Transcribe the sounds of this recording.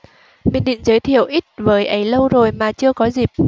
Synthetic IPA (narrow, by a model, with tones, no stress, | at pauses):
mi˨ənɗḭ˧˨ŋ̟zəː˨˦jt̪ʰḭ˧˨əwʔi˦˥t̚vəː˨˦jʔə˨˦jlə˧wzo˨˩jmaː˨˩t͡ɕɨ˧əkɔ˨˦zi˨˩p̚